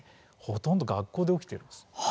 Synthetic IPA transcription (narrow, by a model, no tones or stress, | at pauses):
ho̞t̪õnd̪oɡakːo̞ːd̪e̞o̞kʲi̥t̪eɾɯ̟n̥s